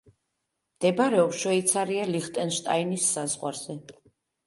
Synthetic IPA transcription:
md̪̥ɛbaɾɛɔpsʃɛit̪sʰaɾialiχt̪ʼɛnʃt̪ʼa̰inisːazʁwa̰ɾz̥ɛ

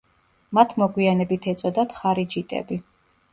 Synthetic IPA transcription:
mat̪ʰmɔɡwianɛbit̪ʰɛt̪sʼɔd̪at̪ʰχaɾid͡ʒit̪ʼɛ̰bi

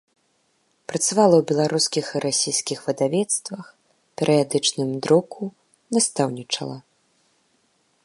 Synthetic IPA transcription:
pɾɐt̪savalˠɐwbʲɛlˠaɾuskʲixiɾasʲijskʲixvɨd̪avʲɛt̪st̪vɐx | pʲɛɾʔɨjad̪ɨt͡ʂnɨmd̪ɾɔkʰu | nast̪awnʲit͡ʂɐ̰lˠɐ

